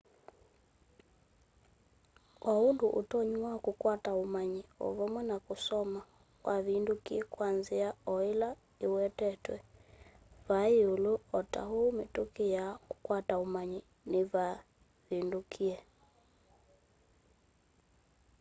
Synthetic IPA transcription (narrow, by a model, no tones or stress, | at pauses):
ɔunduʔṵtɔɲuwakukwataumaɲiɔ̰βɔmwɛnakusɔma | kwʔaβindukiɛkwanziaɔila | iwɛtɛtwɛ̰ | βaiuluɔta̰humitukijaku̥kwataumaɲi | niβa | βindukʰiɛ